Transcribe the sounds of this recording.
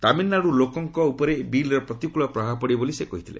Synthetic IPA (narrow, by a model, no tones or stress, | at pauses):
t̪aminːaɽulokɔŋkɔupɔɾebilɾɔpɾɔt̪ikuɭɔpɾɔɦapɔɽibolisekɔɦit̪ʰilḛ